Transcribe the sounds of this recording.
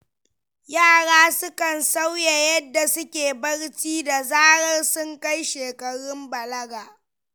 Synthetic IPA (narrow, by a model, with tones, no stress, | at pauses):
jaː˦˨ɽaː˦sʊ˦kɐ˨nsa˦wja˨jɐ˦dːa˨sʊ˦kʲeː˨bɐ˦ɽt͡ʃiː˦da˨zaː˦ɽɐ˦rsʊ˦ŋka˦jʃeː˨kɐ˨ɽɪ˦mbɐ˨lɐ˦ɡaː˨